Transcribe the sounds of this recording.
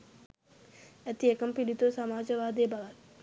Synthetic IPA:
et̪iekɐmpilit̪osɐmaːd͡ʒɐʋaːd̪eːbɐʋat̪

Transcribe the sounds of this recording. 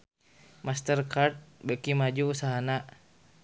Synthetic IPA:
mast̪ərkart̪̚bəkimad͡ʒuusaɦana

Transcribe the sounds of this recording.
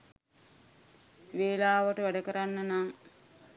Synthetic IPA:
ʋeːlaːʋəʈəʋæɖəkəɾanːənaŋ

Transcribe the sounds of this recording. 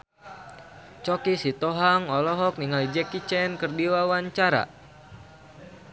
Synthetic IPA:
t͡ʃɔkisit̪ɔɦaŋɔlɔɦɔk̚niŋalid͡ʒɛkit͡ʃɛnkɨrdiwawaɲt͡ʃaɾa̰

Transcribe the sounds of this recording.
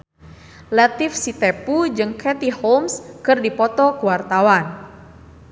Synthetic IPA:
lɛt̪ifsit̪ɛpud͡ʒɨŋkʰɛt̪ihomskɨrdipɔt̪ɔkuwart̪awan

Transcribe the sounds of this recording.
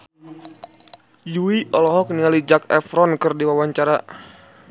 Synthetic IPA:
juiʔɔlɔɦɔk̚niŋalid͡ʒakɛ̰fɾɔnkɨrdiwawaɲt͡ʃaɾa

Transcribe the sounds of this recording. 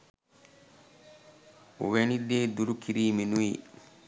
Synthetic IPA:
wenideːd̪uɾukʰiɾiːminuji

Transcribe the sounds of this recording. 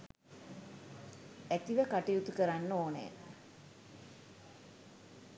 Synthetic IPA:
æt̪iʋəkaʈijut̪ukəɾanːəoːnḛ

